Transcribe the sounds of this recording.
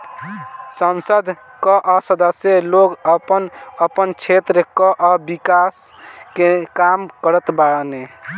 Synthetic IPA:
sənsəd̪ʱ | kəʔəsəd̪əsjeloɡəpənəpənt͡ʃʰet̪ɾəkəʔəbikaskekamkəɾət̪bane

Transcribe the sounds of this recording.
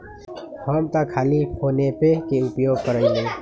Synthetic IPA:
fɔːmt̪akʰaːlihoːnepekeʊpjoːɡ̚kəɾəĩẽː

